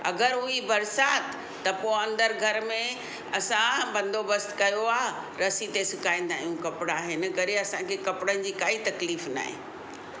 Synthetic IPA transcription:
ɐ̰ɡəɾʊɦibɐɾsaːt̪ʰ | t̪ːɐpoːɐ̃nd̪əɾɡʱɐɾmẽ | ɐsãbɐ̃nd̪ʱobɐst̪kɐjoaːɦ | ɾɐsit̪esɪkaːĩn̆d̪ãːijũkɐpɪɽaːɦɪnɪkɐɾiɐsãkʰekɐpɪɽənɪ̆d͡ʑiːkaːit̪ɐkliːfna̰ːɦḛ̃

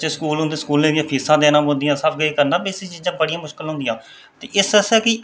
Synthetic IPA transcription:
t͡ʃːskuːlɦõʊnd̪ẽːsə̥kuːlẽːɡjãːpʰiːsãːd̪eːnãːmɦõːnd̪ɪjãːsəpʰɡəiːkəɾnaːbeːsiːt͡ʃiːzãːbəɽijãːmʊʃkəlɦʊ̃nd̪ɪjãː | t̪eːʔɪsəsɛːkɪ

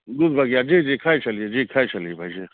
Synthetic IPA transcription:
d̪ud̪bʱɐɡjaːd͡ʒiːd͡ʒiːkʰaːit͡ʃɐlijed͡ʒiːkʰaːit͡ʃɐliebʱa̰jd͡ʒiː

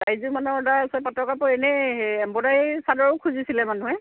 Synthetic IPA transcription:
dajzumanɔɔdaɹasɛpatɔkapɔɛnɛɛmbɔdaisadɔɹɔkʰuzisilɛmanuɦɛ

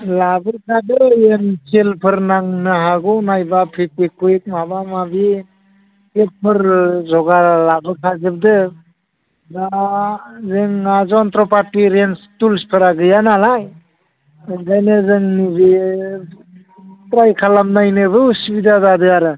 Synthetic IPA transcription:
labɯɾkʰadɯenselpʰɯɾnaŋnɯɦaɡɯnajbapʰikɯkɯk̚mabamabi | kel̚pʰɯɾzɔɡalabɯɾkʰazɯb̚dɯ | da | zɯŋazɔntɾɔpaɾtiɾenstulspʰɯɾaɡɯjanalaj | ɡajnɯzɯŋnibi | tɾajkʰalamnajnɯbɯsibidadadɯaɾɯ

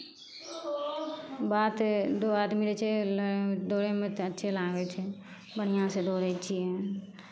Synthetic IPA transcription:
baːt̪d̪oːaːd̪miɾet͡ʃʰe | d̪oːɾemẽt̪ətːʃʰelãːɡet͡ʃʰe | bəɽɪjãsed̪oːɾet͡ʃʰiɦɛː

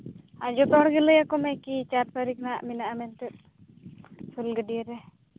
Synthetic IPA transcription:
ad͡ʒɔt̪ɔɦɔɽɡɛlɛjakɔmɛkit͡ʃaɾ̚paɾik̚naʔminaʔamɛnt̪ɛt̪̚ | sulɡəɖijəɾɛ

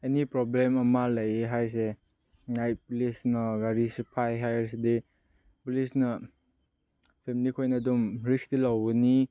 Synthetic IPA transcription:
enipɾɔblemɐmalajeɦajs̬e | ŋaj̚pulisnɐɡaɾispʰajɦajɾs̬idi | pulisnɐ | pʰemilikʰojnadumɾistilawni

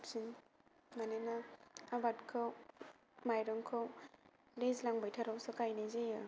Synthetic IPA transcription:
psin | manenaabatkʰaw | majɾɔŋkʰaw | lezlaŋbajtʰaɾawsɐkajnezejɯ

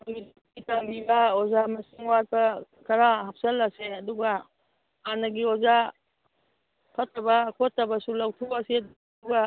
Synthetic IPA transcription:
id | kitambibɐɔzamɐsiŋwat̚bɐkɐɾaɦap̚sɐlːaseɐduɡa | hanɐɡiɔza | pʰɐtːɐbɐkʰotːɐbɐsulawtʰuase | uɡa

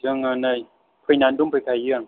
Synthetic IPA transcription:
ɯəŋːənəj | pʰɯjnandumpʰəkʰajjɯəŋ

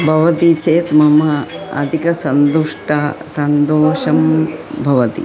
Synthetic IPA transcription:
bʱɐʋɐt̪it͡ʃeːt̪mɐmɐɐ̰d̪ʱikɐsɐnd̪uʂʈɐsɐnd̪oːʃɐmmbʱɐʋɐt̪ḭ

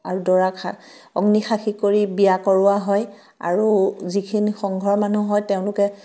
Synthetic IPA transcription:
aɹudɔɹakʰa | ɔ̰ɡnixʰaxʰikoɹibijakɔɹʊaɦɔj | a̰ɹuzikʰinixɔŋɡʱɔɹɔmanuɦɔjteʊ̃lʊkɛ

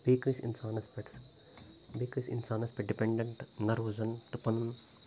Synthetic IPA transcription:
beːkɾisḭnsaːnɐspeʈs | beːkɾisinsaːnɐspeʈɖipeɳɖeɳʈnɐɾuːzɐnt̪upɐnɐn

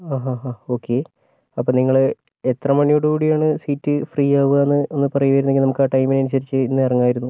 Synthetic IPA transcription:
aːɦaɦao̞ːkʰːe̞ | ɐpːoːniŋːɐɭ | et̪rɐmɐɳijoɽukuːɽijaːɳɨsiːtːɨfriːaːʋuɣaenːɨenːɨpɐrɐjuʋɐjɾunːeŋɡinɐmukːaːʈɐjmineɐnuɕɐɾit͡ɕːɨinːɨɐrɐŋːaːjiɾunːu

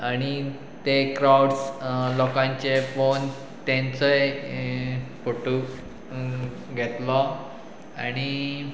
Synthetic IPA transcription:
aɽ̃i | t̪ekɾawɽslɔkãɲt͡ɕefon | t̪ẽnt͡səj | foʈuk | ɡʱet̪lɔ | aɽ̃i

